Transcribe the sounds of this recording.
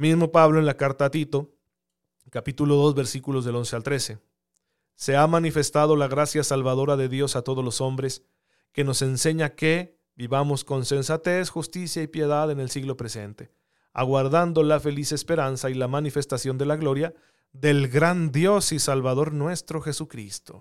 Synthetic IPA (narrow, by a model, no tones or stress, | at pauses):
mizmo̞paβloenlakaɾt̪at̪it̪o̞ | kapit̪ulo̞ðo̞zβe̞ɾsikulo̞zðe̞lo̞nse̞alt̪ɾe̞se̞ | se̞amanife̞st̪að̞o̞laɣɾasjasalβað̞o̞ɾaðe̞ðjo̞sat̪o̞ð̞o̞zlo̞so̞mbɾe̞s | ke̞no̞se̞nse̞ɲake̞ | biβamo̞sko̞nse̞nsat̪e̞sxust̪isjaipje̞ðaðe̞ne̞lsiɣlo̞pɾe̞se̞nt̪e̞ | a̰ɣwaɾðand̪o̞lafe̞lise̞spe̞ɾansailamanife̞st̪asjo̞nd̪elaɣlo̞ɾja | ðe̞lɣɾand̪jo̞sisalβaðo̞ɾnwe̞st̪ɾo̞xe̞sukɾḭst̪o